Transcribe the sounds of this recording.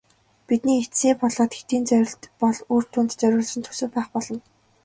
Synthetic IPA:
pit̪niːesiːpɔɮɔːt̪xe̥t̪iːnt͡sœpɔɮuːr̥t̪ʰuːnt̪t͡sœɾʲʊːɮsɞ̆nt̪ʰɵ̥sɘ̆ːpæːχpɔɮɞ̆n

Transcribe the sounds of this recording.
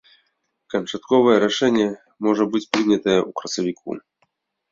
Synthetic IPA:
kɐnt͡ʂat̪kɔvɐjɛɾaʂɛnʲːɛ | mɔʐɐbɨt͡sʲpɾɨnʲɐt̪ɐjɛʔukɾɐsɐvʲikʰṵ

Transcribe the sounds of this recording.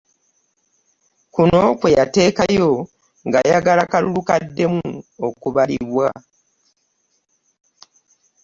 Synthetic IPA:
kuno̞kwe̞jate̞ːkajo̞ | ŋɡajaɡalakalulukadːe̞muokuβaliβwa

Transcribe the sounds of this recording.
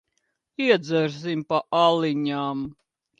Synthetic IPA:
iɛd̪zɛɾzimʲpaʔaliɲʲaːm

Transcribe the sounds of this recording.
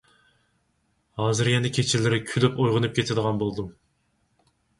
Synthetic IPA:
hɑːzɨɾjɛnɛkʲʰet͡ʃʰɪlɪɾɪkʲʰylypojʁənɨp̚kʲet̪ʰɪd̪əʁɑnbolˠd̪u

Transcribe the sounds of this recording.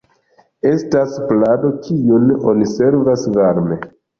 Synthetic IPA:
e̞stasplado̞kʰiuno̞̰nise̞ɾvasvaɾme̞

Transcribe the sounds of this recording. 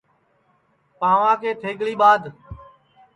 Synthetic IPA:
pãːʋãːkʰeːt̪ʰeːɠɭiːɓaːd̪

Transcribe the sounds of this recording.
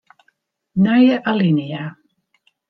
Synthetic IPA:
najʔalɪnia

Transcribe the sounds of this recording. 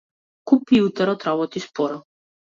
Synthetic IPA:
kupiut̪aɾɔt̪ɾabɔt̪ispɔɾɔ

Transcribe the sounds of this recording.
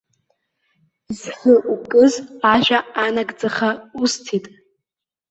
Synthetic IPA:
zħʷəʔukʼɨzaʒʷᶣaːnaɡd͡zaχaustʰitʼ

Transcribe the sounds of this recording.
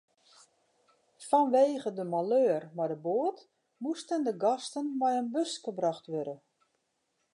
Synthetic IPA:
fɔnʋeːɣədəmaløːrmadəboət | mustəndəɡɔstənmɛjənbøskəbraxtʋøɾə

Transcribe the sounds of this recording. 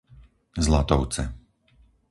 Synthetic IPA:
zlat̪ɔʊt͡sɛ

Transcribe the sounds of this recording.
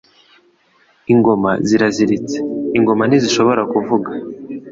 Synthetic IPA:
iŋɡo̞maziɾaziɾit͡seiŋɡo̞maniziʃo̞βo̞ɾakuvuɡa

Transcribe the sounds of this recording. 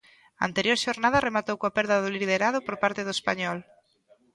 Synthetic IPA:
ɐa̰nt̪eɾjoɾʃoɾnað̞ɐremat̪owkoapɛɾðɐðʊliiðeɾaðʊpoɾpaɾt̪eðoespaɲɔl

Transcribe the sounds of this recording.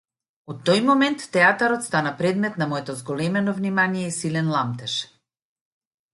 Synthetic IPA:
ot̪ːɔjmɔmɛnt̪ːɛat̪aɾɔt̪st̪anapɾɛd̪mɛt̪namɔɛt̪ɔzɡɔlɛmɛnɔvnimanijɛisilɛnlˠamt̪ɛʃ

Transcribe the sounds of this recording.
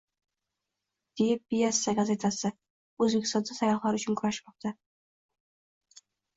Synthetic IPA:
d̪̥ejɪp̚bijasaɡaze̞t̪ʰasɪ | ɵzbekʲɪ̥st̪ɒnd̪asajɒχlˠaɾʊt͡ʃʰʊnkʰʊɾaʃmɒq̚t̪ʰa

